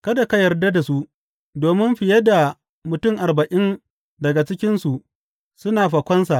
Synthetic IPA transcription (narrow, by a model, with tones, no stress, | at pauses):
kɐ˦da˨ka˦jɐ˨rda˦da˨su˦ʔ | doː˨mɪ˦mɸɪ˨jɐ˦da˨ | mʊ˨tʊ˦˨ŋʔa˨rbɐ˨ʔɪ˦n | dɐ˨ɡa˨t͡ʃɪ˦kʲɪ˦nsu˨ʔ | sʊ˦naː˨ɸa˨kʷɐ˦nsa˨ʔ